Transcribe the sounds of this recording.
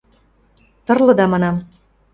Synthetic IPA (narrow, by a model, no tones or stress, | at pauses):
t̪ɤ̆rlɤ̆d̪ɑmɑnɑm